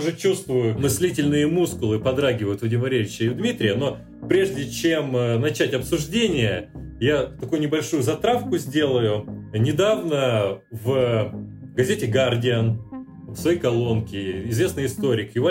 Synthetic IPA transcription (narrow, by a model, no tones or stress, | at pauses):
ʐɨt͡ɕust̪vʊjʊmɨsʲlʲitʲɪlʲnɨjəmuskʊlˠɨpɐd̪ɾaɡʲɪvəjʊt̪vɐdʲɪməvɐɾʲevʲɪt͡ɕːɪɪʊd̪mʲit̪ɾʲɪjəno̞ | pɾʲe̞ʐdʲɪt͡ɕemnɐt͡ɕætʲɐpsʊʐdʲenʲɪjəjat̪ɐkujʊnʲɪbɐlʲʂujʊzɐt̪ɾafkʊzʲdʲe̞lˠəjʊnʲɪd̪avnəv | ɡɐzʲetʲɪɡardʲɪən | fsvɐjejkɐlˠo̞nkʲɪɪzvʲe̞snɨjɪst̪o̞ɾʲɪkjɪva